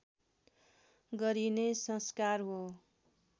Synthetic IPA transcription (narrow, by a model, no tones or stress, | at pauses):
ɡʌɾinesʌskarɦo